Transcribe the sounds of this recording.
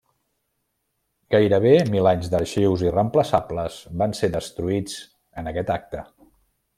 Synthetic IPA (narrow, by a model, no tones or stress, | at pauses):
ɡ̥ajɾəβ̞emilaɲzðəʃewzirəmpləsapləz̥banseðəst̪ɾuid͡z | ənəkɛt̪ak̚t̪ə